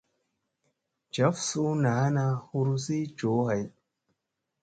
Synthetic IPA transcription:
d͡ʒa˨˦fsu˦na˨˦na˦hu˦ɾu˦si˦d͡ʒo˨˦ɦa˨j

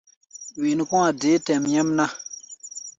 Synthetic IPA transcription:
wi˨ni˨kũ˦a˨de˨˦tɛ˨mɲɛ˦mna˦

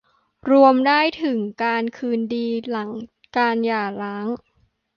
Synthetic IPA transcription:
ɾu˧əmdaː˥˩jt̪ʰɯ˩˦ŋkaː˧nkʰɯː˧ndiː˧la˩˦ŋ | kaː˧njaː˨˩laː˦˥ŋ

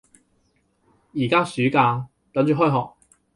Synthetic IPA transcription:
jiː˨˩kaː˥syː˨˥kaː˧ | t̪ɐ˨˥ŋt͡ʃyː˨ɦɔː˥jɦɔː˨k̚

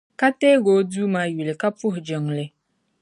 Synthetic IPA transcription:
ka˦teː˦ɡo˨˦du˦maː˨˦ju˨lɨ˨ka˦pʊ˦ɦʊ˨d͡ʒɨ˨ŋ˨lɨ˨

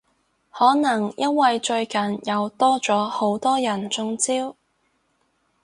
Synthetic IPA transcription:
hɔː˨˥nɐ˨˩ŋjɐ˥t̚wɐ˧jt͡ʃɵ˧ɥkɐ˨njɐ˨˧wt̪ɔː˥t͡sɔː˨˥ho˨˥wt̪ɔː˥jɐ˨˩nt͡sʊ˧ŋt͡siː˥w

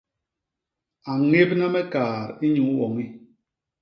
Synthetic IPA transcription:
a˨ŋe˦pna˦mɛ˦kaː˨ɾi˦ɲu˨˦wɔ˨ŋi˦

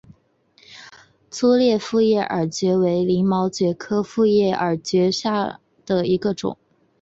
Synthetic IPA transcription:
t͡sʰu˥ljɛ˥˧fu˥˧jɛ˥˩ʔə˞˨˩t͡ɕɥɛ˧˥we˧˥ɪli˧˥ŋmɑ˧˥ʊt͡ɕɥɛ˧˥kʰɤ˥fu˥˧jɛ˥˩ʔə˞˨˩t͡ɕɥɛ˧˥ɕja˥˩ | d̪̥ə˩i˧˥ɡə˧ʈ͡ʂʊ̰˨˩˦ŋ

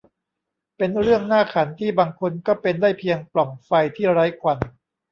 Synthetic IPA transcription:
pe˧nɾɯ˥˩əŋnaː˥˩kʰa˩˦nt̪ʰiː˥˩baː˧ŋkʰo˧nkɔː˥˩pe˧ndaː˥˩jpʰi˧əŋplɔ˨˩ŋfa˧jt̪ʰiː˥˩ɾa˦˥jkʰwa˧n

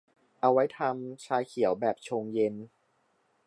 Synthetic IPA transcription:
ʔa˧wa˦˥jt̪ʰa˧mt͡ɕʰaː˧jkʰi˨˩˦ə˦wbɛː˨˩p̚t͡ɕʰoː˧ŋje˧n

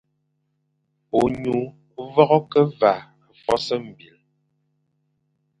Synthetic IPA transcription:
o˨ɲu˨˦ | vɔ˦ɣɔ˦kə˦va˨ | fɔ˦sə˦m̩˨bi˨l

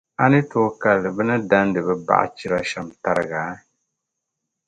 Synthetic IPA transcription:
a˦nɨ˦toː˨ka˨lːɨ˨bɨ˦nɨ˦da˦n˦dɨ˨bɛ˦ba̰˦ʔa̰˦t͡ʃi˦ɾa˦ʃa˨mta˦ɾɨ˦ɡaː˨˦

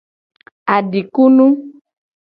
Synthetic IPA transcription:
a˨ɖi˨ku˦nũ˦

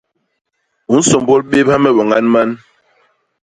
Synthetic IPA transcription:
u˨˦n̩˦sɔ˨mbɔ˦lɓe˦pha˦mɛ˦ɓɔ˨ŋa˦nma˦n

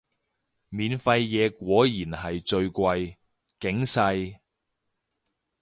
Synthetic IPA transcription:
miː˨˧nfɐ˧jːɛː˨˧kʷɔː˨˥jiː˨˩nhɐ˨jt͡ʃɵ˧ɥkʷɐ˧j | kɪ˨˥ŋsɐ˧j

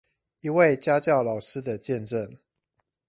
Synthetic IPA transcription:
i˨we˥˨ɪt͡ɕja˦˥t͡ɕjɑ˥˩ʊlɑ˨˩ʊʂɻ̩˦˥d̪ə˨t͡ɕjɛ˥˨˧nʈ͡ʂə˥˨ŋ

